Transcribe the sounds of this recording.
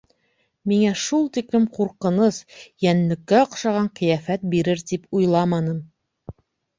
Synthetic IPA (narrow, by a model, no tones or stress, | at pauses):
miŋæʃulˠt̪iklɘmquɾqɤ̆nɤsjænlɘ̆kːæoqʃɑʁɑɴqɘ̆jæfæt̪̚biɾɘɾt̪ipujlˠɑmɑnɤm